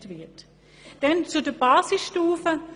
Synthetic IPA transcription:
tvɪɐt | d̥ɛnt͡sudəbaːsɪsʃtuːfə

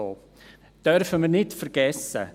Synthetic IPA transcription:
oː | d̥œɾfəməɾnɪtfəɾɡ̥ɛsə̰

